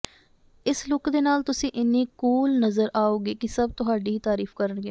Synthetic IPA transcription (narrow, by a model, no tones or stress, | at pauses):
ɪslʊkd̪eːnaːlt̪ʊsĩːʔɪnːĩːkuːlnəzəɾʔaːoːɡeːkɪsəb̚t̪ʊɦaːɖiːiːt̪aːɾiːfkəɾənɡeː